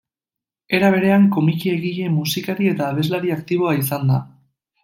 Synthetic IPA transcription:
e̞ɾaβ̞e̞ɾe̞aŋko̞mikie̞ɣiʎe̞musikaɾie̞t̪aːβ̞e̞zlaɾiakt̪iβ̞o̞ais̬and̪a

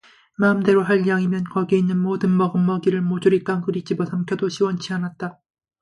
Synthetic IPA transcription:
maɯmde̞ɾoɦaʎjaŋimjʌnkʌɡeinːɯnmodɯnmʌɡɯmːʌɡiɾɯɭmod͡ʑuɾit͈aŋkɯɾit͡ɕ͈ʰibosʰamkʰjʌdoɕʰiwʌnt͡ɕʰianat̚t͈a

